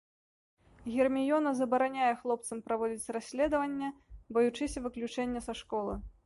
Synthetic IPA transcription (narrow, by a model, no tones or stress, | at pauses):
ɣʲirmʲijɔnɐzɐbɐɾanʲajɛxlˠɔpt̪sɐmpɾavɔd͡zʲit͡sʲrasʲlʲɛd̪ɐvɐnʲːɛbɐjut͡ʂɨsʲɐvɨklʲut͡ʂɛnʲːɐsaʂkɔlˠɨ